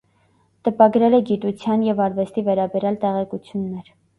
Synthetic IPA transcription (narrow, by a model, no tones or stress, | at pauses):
t̪əpɑɡɾɛlɛɡit̪ut͡sʰjɑnjɛvɑɾvɛst̪ivɛɾɑbɛɾjɑlt̪ɛʁɛkut͡sʰjunːɛɾ